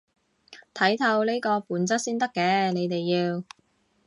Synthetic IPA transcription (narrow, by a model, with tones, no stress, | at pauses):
t̪ʰɐ˨˥jt̪ʰɐ˧wleː˥jkɔː˧puː˨˥nt͡sɐ˥t̚siː˥nt̪ɐ˥kːɛː˧ne˨˧jt̪e˨jːiː˧w